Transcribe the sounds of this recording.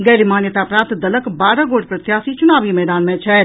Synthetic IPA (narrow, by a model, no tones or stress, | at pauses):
ɡɐːɾimaːnjət̪apɾãːnt̪d̪ɐləkbaːɾə̃ɡoːʈpɾət̪jaːsit͡ʃʊnaːʋimɛːd̪aːnmɛ̃t͡ʃʰɛ